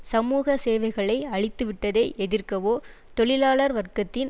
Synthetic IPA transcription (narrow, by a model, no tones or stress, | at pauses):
sɐmuːɣɐseːʋɐɪɣɐɭɐɪɐɭɪt̪ːɯʋɪʈːɐðeːʔɛðɪrkɐʋoː | t̪ɔɭɪlaːɭɐɾʋɐrkɐt̪ːɪn